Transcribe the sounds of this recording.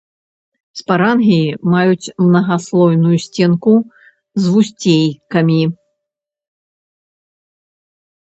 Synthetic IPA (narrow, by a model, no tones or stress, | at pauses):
spaɾanɣʲimajut͡sʲmnɐɣaslˠɔjnujusʲt͡sʲɛnku | zvusʲt͡sʲejkɐmʲi